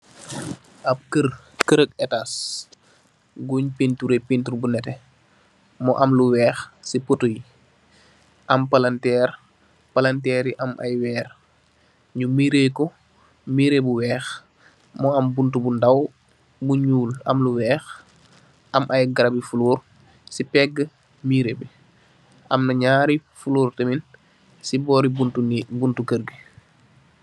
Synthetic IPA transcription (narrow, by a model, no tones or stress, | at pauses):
ʔɐb̚kəɾ | kəɾək̚ɛtas | ɡuɲpentuɾepentuɾbunɛtɛ | mɔʔɐmluwɛːxsipotuj | ʔɐmpalantɛːr | palantɛːɾiʔɐmʔa̰jwɛːr | ɲumiɾekɔ | miɾebuwɛːx | mɔɐmbuntubundaw | buɲuːlɐ̰mluwɛːx | ʔɐmʔajɡaɾabifuluːɾ | sipɛɡə | miːɾebi | ʔɐmnɐɲaːɾifuluːrtəmin | sibɔːɾibuntunbuntukəɾɡi